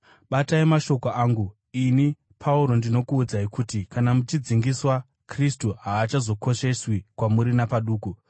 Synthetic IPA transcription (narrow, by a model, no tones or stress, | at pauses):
ɓataimaʃo̞koaːŋɡu | ini | pʰauɾo̞ndino̞kuːd͡zaikuːtikanamut͡ʃid͡ziŋɡiswa | kristuɦaːt͡ʃazo̞ko̞ʃe̞swikwamuɾinapaɗuːku